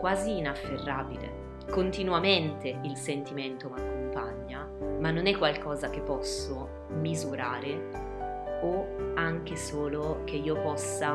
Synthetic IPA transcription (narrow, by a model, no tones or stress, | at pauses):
kwaːziːnafːerːaːbilḛ | kont̪inwament̪eilsent̪iment̪omakːompaɲːa | manːonɛkːwalkɔːzakepːɔsːo | mizuɾaːɾe | oaŋk̟esoːlok̟eiːopɔsːa